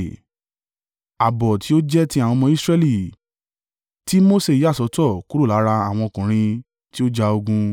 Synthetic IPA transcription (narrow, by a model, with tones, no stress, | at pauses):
a˨bɔ˨ti˨˦o˦d͡ʒɛ˦ti˦a˨wɔ̃˧mɔ̃˧˦i˦sɾɛ˦li˦˨ | ti˦mo˦se˦˨i˨˦a˦˨sɔ˧˦tɔ˦˨ku˦ɾu˦˨la˨˦ɾa˧a˨w̃ɔ̃˧kũ˨ɾ̃ĩ˧ | ti˦o˦d͡ʒa˧o˧ɡũ˧